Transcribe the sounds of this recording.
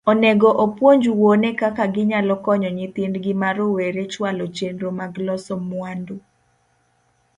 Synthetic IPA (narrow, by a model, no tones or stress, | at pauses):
ɔnɛɡɔʔopwoɲd͡ʒuwonɛkakaɡɪɲalɔkɔɲɔɲɪt̪ɪndɡɪmaɾoweɾet͡ʃwalɔt͡ʃenɾomaɡlɔsɔmwando